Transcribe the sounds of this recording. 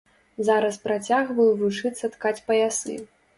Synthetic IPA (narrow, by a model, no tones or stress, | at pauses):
zaɾɐspɾat͡sʲaɣvɐjuvut͡ʂɨt̪sːɐt̪kat͡sʲpɐjasɨ̰